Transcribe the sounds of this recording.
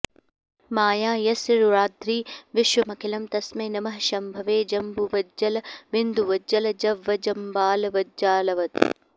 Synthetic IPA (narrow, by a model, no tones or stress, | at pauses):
maːjaːjɐsɾuɾaːd̪ɾiːʋɪʃʋɐmɐkʰilɐmt̪ɐsmeːnɐmɐɦʃɐmbʱɐʋeːd͡ʒɐmbuʋɐd͡ʒːɐlɐʋɪnd̪uʋɐd͡ʒɐlɐd͡ʒɐʋːɐd͡ʒɐmbaːlɐʋɐd͡ʒaːlɐʋɐt̪